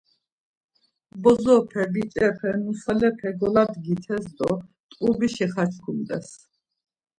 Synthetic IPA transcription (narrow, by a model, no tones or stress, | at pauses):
bɔzɔpʰɛbit͡ʃʼɛpʰɛnusalɛpʰɛɡɔlad̪ɡit̪ʰɛsd̪ɔ | t̪ʼqʼubiʃɛχat͡ʃʰkʰumd̪ɛs